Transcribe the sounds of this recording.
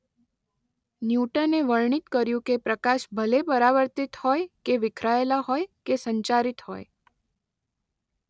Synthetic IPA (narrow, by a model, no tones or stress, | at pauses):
njuʈəneʋəɭɳit̪kəɾjũkepɾəkaʃbʱəlepəɾaʋəɾt̪it̪hojkeʋɪkʰɾaelaɦojkesəɲt͡ʃaɾit̪ho̰j